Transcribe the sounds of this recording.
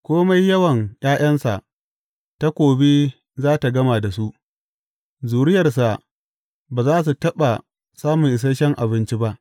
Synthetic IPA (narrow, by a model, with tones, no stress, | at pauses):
kʷoː˦ma˦jːɐ˦wɐ˨ŋjʔaː˦j̰ʔɐ˦nsa̰˨ʔ | ta˦kʷoː˨be˦ | zaː˦ta˨ɡɐ˦ma˨da˨su˦ʔ | zuː˨ɽɪ˦jɐ˨rs̬a˨ʔ | baː˨zaː˦s̬u˨tɐ˦ɓa˨ | saː˦mʊ˨ŋʔɪ˨s̬ɐ˦ʃɐ˦ŋʔa̰˨bɪ˦nt͡ʃi˦ba˦ʔ